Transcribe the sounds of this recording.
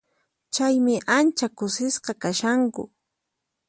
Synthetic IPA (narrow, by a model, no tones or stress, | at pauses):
t͡ʃajmɪʔant͡ʃakʊsɪsqɑkaʃaŋkʊ̰